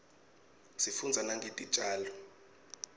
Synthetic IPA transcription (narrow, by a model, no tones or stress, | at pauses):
sifund͡zʱanaŋɡʱetʼid̥ʒ̥ʱʼaːlɔ